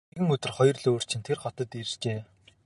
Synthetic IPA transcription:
ɣɘ̆ŋɵt̪ɘ̆rχɔjɞ̆rɮoːr̥t͡ɕʰɪ̆nt̪ʰerχɔt̪ə̆t̪irt͡ɕeː

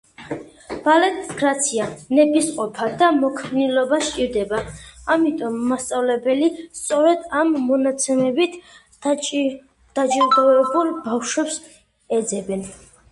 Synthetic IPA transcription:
b̥alɛt̪ʰɡɾat̪sʰianɛpʰʼisqʼɔpʰad̪amɔkʰmnilɔbaʃt͡ʃʼiɾd̪ɛbaamit̪ʼɔmːast̪sʼavlɛbɛlist̪sʼɔɾɛd̪amːɔnat̪sʰɛmɛbit̪ʰ | d̪̥ad͡ʒʼiɾd̪ɔɛbulˠbafʃwɛps | ɛd̪zɛbɛn

